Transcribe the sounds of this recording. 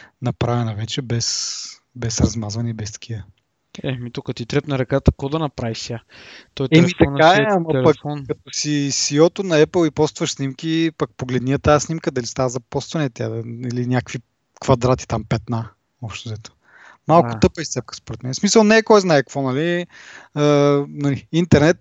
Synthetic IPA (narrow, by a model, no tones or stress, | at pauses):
nɐpɾavɛnɐvɛt͡ʃɛbɛs | bɛsɾɐzmazvɐnɛbɛst̪ɐ̥k̟ʰivə | ɛmit̪ukət̪it̪ɾɛpnɐɾɐkat̪əkɔd̪ɐnɐpɾavisjat̪ɔɛɛmit̪ɐaɛɐmɐpɐkɔnːɐt̪osisiɔt̪ʊnɐɛpəlˠipɔst̪vɐʃsnimkʲipɐk̚poɡlɛd̪nijət̪aəsnimkəd̪ɐlist̪avəzɐpɔst̪vɐnɛt̪ʲjad̪ɐilinʲjakkvi | kvɐd̪ɾat̪i̥t̪ampɛt̪na | ɔpʃt̪ozɛt̪o̥ | malˠkʊ̥t̪ɤpəist̪ɛp̚kə̥spoɾɛt̪mɛnɛsmisəlˠnɛːkɔjznaɛkvɔnɐli | ənɐliint̪ɛɾnɛt̪̚